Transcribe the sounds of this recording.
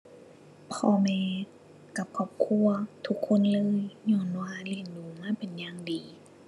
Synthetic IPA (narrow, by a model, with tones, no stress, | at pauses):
pʰɔː˧mɛː˧ | ka˧˩p̚kʰɔː˧˩p̚kʰu˧˥˨ɐt̪ʰu˧˥kʰːo˧˥˨nlɤː˧˥˨jɲɔː˧˩˨nwaː˧˨li˧˩ə˨nduː˨˩maː˧˥˨pe˨njaː˧˥ŋdiː˨˩